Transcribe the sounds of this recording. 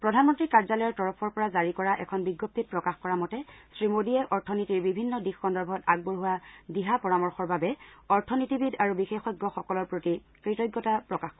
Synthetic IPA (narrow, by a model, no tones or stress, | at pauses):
pɹɔdʱanmɔntɹikaɹzalɔjɔɹtɔɹɔpʰɔɹpɔɹazaɹikɔɹaʔɛkʰɔnbiɡjop̚tit̚pɹɔkaxkɔɹamɔtɛsɹimodiɛʔɔɹtʰɔnitiɹbibʱinːɔdixːɔndɔɹbʱɔtaɡ̚buɹɦuwadiɦapɔɹamɔɹxɔɹbabɛɔɹtʰɔnitibidaɹubixexɔjɡːɔxɔkɔlɔɹpɹoti | kɹitɔjɡːɔtapɹɔkax